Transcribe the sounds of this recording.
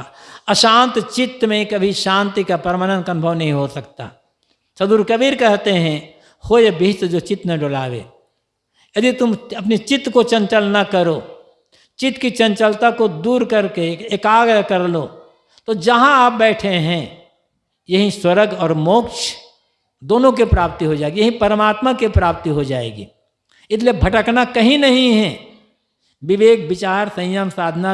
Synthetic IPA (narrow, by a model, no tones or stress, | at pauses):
ɐʃãːnt̪t͡ʃɪt̪mẽkɐbʱiʃãːnt̪ikapəɾmaːnənkɐnʊbʱəʋnɐɦĩɦosɐk̚t̪a̰ | sɐd̪uːɾkəbiːɾkɛɦt̪eɦɛ̃ | hojebʱiːt̪d͡ʒot͡ʃɪt̪neɖoːlaːʋḛ | jɐd̪it̪ʊmɐpnit͡ʃɪt̪kot͡ʃɐ̃nt͡ʃəlnakɐɾoː | t͡ʃɪt̪kit͡ʃɐ̃nt͡ʃəlt̪akod̪uːɾkɐɾkeeːkaːɡɾəɦkɐɾloː | t̪od͡ʒɐɦãaːp̚bɛːʈʰeɦɛ̃ | jɐɦiswɐɾəɡɔːɾmoːkt͡ʃʰ | d̪oːnõkepɾaːp̚t̪iɦod͡ʒaːeɡijɐɦĩpəɾəmaːt̪makepɾaːp̚t̪iɦod͡ʒaːḛːɡḭː | ɪsliebʱɐʈəknakɐɦĩnɐɦĩɦɛ̃ | ʋɪʋeːk̚bɪt͡ʃaːɾsə̃j̃jəmsaːd̪ʱna